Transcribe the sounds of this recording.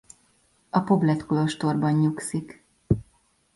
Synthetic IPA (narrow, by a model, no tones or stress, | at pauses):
ɒpo̞blɛt̪kolo̞ʃt̪o̞rbɒɲɲuksik